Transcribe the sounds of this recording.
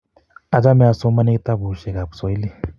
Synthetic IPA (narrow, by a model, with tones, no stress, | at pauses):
a˨d͡ʒa˦mɛ˨a˨sɔ˦ma˦nɛ˦ki˦t̪a˦bu˨ʃɛ˨ka˨pu̥˨sɔ˨˦i˦li˦